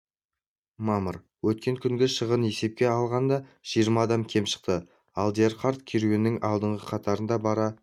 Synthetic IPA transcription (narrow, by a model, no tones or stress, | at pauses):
mɑməɾ | wɵt̪̚kʲe̞ŋkʲʰʏŋɡʲeʃəʁəne̞se̞p̚kʲe̞ɑlˠʁɑnd̪ɑʒ̥ijəɾmɑːd̪ɑmkʲʰe̞mʃə̥q̚t̪ə | ɑlˠd̪ijeɾqaɾt̪kʲʰeɾuenːɪŋɑlˠd̪əɴʁəqʰɑt̪ɑɾənd̪ɑbɑɾɑ